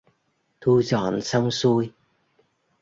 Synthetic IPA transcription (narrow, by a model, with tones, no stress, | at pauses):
t̪ʰu˧zɔ̰˧˨˩nsə˧wŋ͡msu˧j